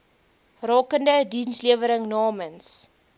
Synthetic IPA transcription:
rɑːkəndədinsliəvəɾəŋnɑːməns

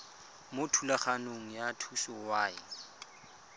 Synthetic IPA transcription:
motʰulaχanoŋ̩jatʰusɔwaːɪ

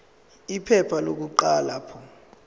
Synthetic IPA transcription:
ipʰɛpʰalok̬uǃaːlaːpʰɔ

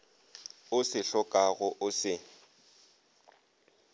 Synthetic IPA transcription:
ʊsɪɬɔkʼaɣʊʔʊsɪ

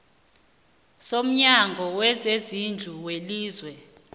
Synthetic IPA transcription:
som̩ɲaŋɡʱɔwɛzezind͡ɮʱuweliːzwɛ

